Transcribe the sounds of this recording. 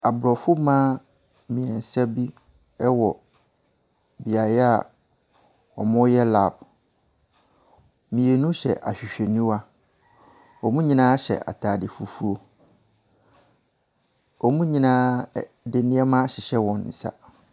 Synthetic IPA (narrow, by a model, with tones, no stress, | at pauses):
a˨bɾɔ˨fʊ˦mãː˦ | mĩ˨ɛ˨n̩˨sɛ˦bi˦ | ɛ˦wɔ˨ | bi˨a˨jɛ˦a̰˨ | ɔ̰˨mʊ̃˦jɛ˦la˨b̚ | mĩ˨e˨nũ˦ɕɛ̰˨ʔa̰˨ɕᶣi˨ɕᶣe˨nĩ˦wa˦ | ɔ˨mũ˦ɲĩ˦nãː˦ɕɛ̰˨ʔa̰˨tʰaː˨dɪ˨fu˨fu˦o˦ | ɔ˨mũ˦ɲĩ˦nãː˦ | dɪ˨nɪ̃˦ɛ˦mã˦ɕɪ˨ɕɛ˦wɔ̃˨n˨n̩̰˨sa̰˨